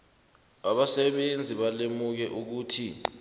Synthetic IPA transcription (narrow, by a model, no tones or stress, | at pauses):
ɓaɓasɛɓend͡zʱiɓalemuk̬ɛʔuk̬uːtʰi